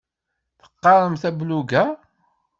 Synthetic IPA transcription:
θə̥qːɑɾˤəmθæbluɡæ

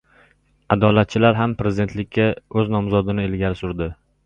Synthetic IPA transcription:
ad̪ɒlat̪̚t͡ʃʰɪlaɾɦampɾe̞zɪd̪e̞nt̪lɪkʲːaɵznɒmzɒd̪ɪnɪelɡʲaɾɪsʊɾd̪ɪ

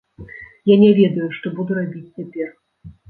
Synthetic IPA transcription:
janʲɛvʲɛd̪ɐjuʂt̪ɔbud̪uɾabʲit͡sʲt͡sʲɛpʲɛr

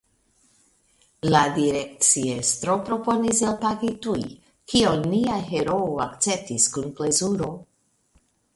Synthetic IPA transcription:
ladiɾe̞k̚t͡sie̞stɾo̞pɾo̞po̞niselpaɡituj | kʰioniaɦe̞ɾo̞oakt͡se̞p̚tiskunple̞zuɾo̞

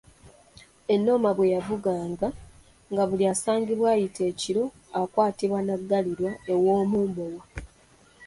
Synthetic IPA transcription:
e̞nːo̞ːmaβwe̞javuɡaːŋɡa | ŋɡaβuliaːsaːɲɟiβwaːjitʰe̞ːciɾo̞ | akwaːtiβwanaɡːaliɾwaewo̞ːmuːmbowa

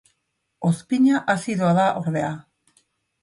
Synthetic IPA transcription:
o̞spiɲaʔasiðoaðaʔo̞ɾðe̞a

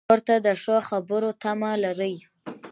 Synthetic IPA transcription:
ɾt̪ad̪əʂəxabəɾot̪amalaɾəj

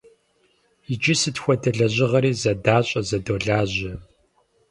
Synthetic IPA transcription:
id͡ʒɪsɨtxʷɔdɐɮɐʑɪʁɐɾiːzɐdaːɕʼɐzɐdoːɮaːʑɪ

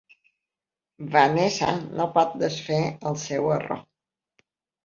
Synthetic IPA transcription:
vanesa̰nopɔt̪̚d̪əsfeəlˠsɛwəro̰

